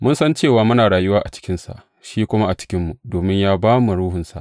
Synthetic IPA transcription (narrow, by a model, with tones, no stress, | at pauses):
mʊ˦nsɐ˦nt͡ʃeː˦˨waː˨mʊ˦naː˨ɽaː˨jʊ˦waː˦ʔa̰˨t͡ʃɪ̥˦kʲɪ˦nsa̰˨ʔ | ʃiː˦kʷʊ˦ma˦ʔa˨t͡ʃɪ̥˦kʲɪ˦mːu˨doː˨mɪ˦ɲjaː˦baː˦mu˨ɽuː˦hʊ˨nsa̰˨ʔ